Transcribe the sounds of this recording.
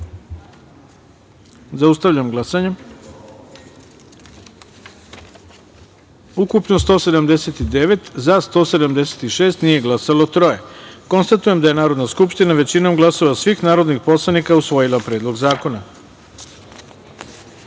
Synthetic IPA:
zaust̪aʋʎamɡlˠasaɲe | ukupnost̪o̞ːse̞d̪amd̪eset̪id̪eʋe̞t̪zast̪o̞ːse̞d̪amd̪e̞set̪iʃe̞ːst̪nije̞ɡlˠasalˠo̞t̪ɾo̞jeko̞nst̪at̪uje̞md̪aje̞naːɾo̞d̪naskupʃt̪inaʋe̞t͡ɕino̞mɡlaso̞ʋasʋixnaːɾo̞d̪nixpo̞slˠanikausʋo̞jilˠapɾeːd̪lˠo̞ɡzaːko̞na

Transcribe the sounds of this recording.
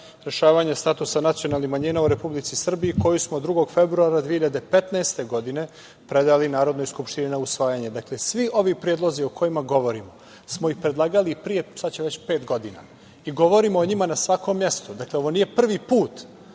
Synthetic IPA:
ɾe̞ʃaːʋaɲest̪at̪usanat̪sijo̞nalnixmaɲiːnauɾe̞publit̪sisr̩biːko̞jusmod̪ɾuɡo̞ɡfe̞bɾuaɾad̪ʋiehiʎad̪e̞pet̪naest̪e̞ɡo̞d̪ine̞ | pɾed̪alinaːɾo̞d̪nojskupʃt̪ininausʋaːjaɲe̞d̪akle̞sʋiʔo̞ʋipɾijed̪lˠo̞ziokʰo̞jimaɡo̞ʋo̞ɾimo | smoixpɾed̪lˠaːɡalipɾije̞st̪at͡ɕeʋe̞t͡ɕpeːt̪ɡo̞d̪ina̰ | iɡo̞ʋo̞ɾimoːɲimanasʋako̞mːje̞st̪ud̪akleoʋo̞niːje̞pr̩ʋipuːt̪

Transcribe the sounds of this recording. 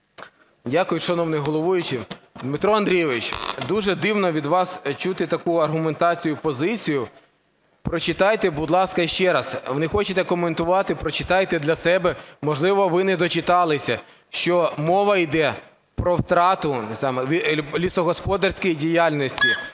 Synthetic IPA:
dʲakʊjʊʃɐnɔwnɪjɦɔlˠɔʋujʊt͡ʃɪd̪mɪt̪ɾɔɐnd̪ɾʲijɛʋɪt͡ʃd̪uʒɛd̪ɪwnɔʋʲid̪ʋɑst͡ʃut̪ɪt̪ɐkuɐrɦʊment̪ɑt͡sʲijʊpɔzɪt͡sʲijʊ | pɾɔt͡ʃɪt̪ɑjt̪ɛbʊd̪lˠɑskɐʃt͡ʃɛɾɐsʋnɪxɔt͡ʃet̪ɛkɔment̪ʊʋɑt̪ɪpɾɔt͡ʃɪ̥t̪ɑjt̪ɛd̪lʲɐsɛbɛmɔʒlˠɪʋɔʋɪnɛd̪ɔt͡ʃɪt̪ɑlˠɪsʲɐ | ʃt͡ʃɔmɔʋɐjd̪ɛ | pɾɔwt̪ɾɑt̪ʊsɑmɛʋʲilʲisɔɦɔspɔd̪ɐrʲsʲkijidʲijalʲnɔsʲtʲi

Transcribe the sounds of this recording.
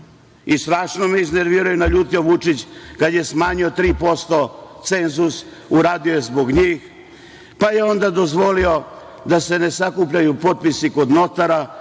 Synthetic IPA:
ist̪ɾaːʃnomeizne̞ɾʋiːɾajunaʎuːt̪io̞ʋut͡ʂit͡ɕkad̪je̞smaːɲio̞t̪ɾiːpo̞st̪o̞t̪se̞nzus | uɾaːd̪iojezbo̞ɡɲiːx | pajeo̞nd̪ad̪o̞zʋo̞lio̞ | d̪ase̞ne̞sakupʎajupo̞t̪̚pisiko̞d̪no̞t̪aɾa

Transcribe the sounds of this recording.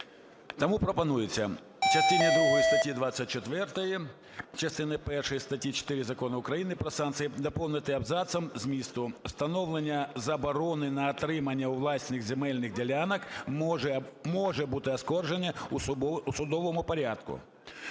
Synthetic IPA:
t̪ɐmupɾɔpɐnujɪt͡sʲːɐ̰ | t͡ʃɐst̪ɪnid̪ɾuɦɔjist̪ɐtʲjid̪ʋasʲːɐt̚ʲt͡ʃːet̪ʋɛrt̪ɐji | t͡ʃɐst̪ɪnɪpɛrʂɔjist̪ɐtʲjit͡ʃɔ̥t̪ɪɾʲɪzɐkɔnɐʊkɾɐjinɪpɾɐsɑnt̪sɨjid̪ɐpɔw̪ˠnɪt̪ɨɐbzɑt̪sɐmzmʲist̪ʊw̥st̪ɐnɔwlˠenʲːɐzɐbɐɾɔnɪnɐːt̪ɾɪmɐnʲːɐuʋlˠɑsʲnɪɣzʲemɛlʲnɪɣdʲelʲanɐk | mɔʒɛbut̪ɪɐskɔrʒenʲːɐ | usʊd̪ɔʋɔmʊpɐɾʲad̪kʊ̰

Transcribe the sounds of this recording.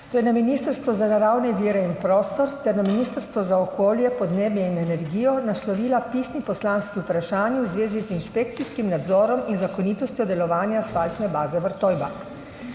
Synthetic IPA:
t̪oːjɛnaminiːst̪əɾst̪ʋɔzanaɾawnɛʋiːɾɛinpɾɔːst̪ɔɾt̪ɛɾnaminiːst̪əɾst̪ʋɔzaɔkoːljɛpɔd̪neːbjɛinɛnɛɾɡiːjɔnaslɔʋiːlapiːsnipɔslaːnskiupɾaʃaːnjiwzʋeːzizinʃpek̚t̪siskimnad̪zɔːɾɔminzakɔniːt̪ɔst̪ʲjɔd̪ɛlɔʋaːnjasfalt̪nɛbaːzɛʋəɾt̪ɔjbak

